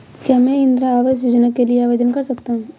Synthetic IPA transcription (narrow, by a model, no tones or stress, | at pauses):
kjaːmɛ̃ɪ̃nd̪ɾaːʋasjoːd͡ʒnakelieaːʋed͡ʒənkɐɾsɐkt̪aɦũː